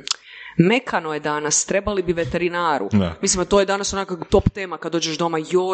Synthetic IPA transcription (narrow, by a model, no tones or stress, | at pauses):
me̞kʰanojed̪anast̪ɾebalibiʋet̪eɾinaːɾṵa̰mislimat̪o̞jed̪anasonakakt̪o̞pt̪eːmakad̪d̪ːoːd͡ʒeʃd̪o̞majo